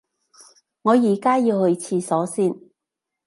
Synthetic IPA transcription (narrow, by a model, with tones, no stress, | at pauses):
ŋɔː˨˧jiː˨˩kaː˥jiː˧whɵ˧ɥt͡sʰiː˧sɔː˨˥siː˥˩n